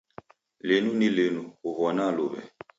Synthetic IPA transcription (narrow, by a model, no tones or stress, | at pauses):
lenunilenuɣuɣɔnalo̰βɛ̰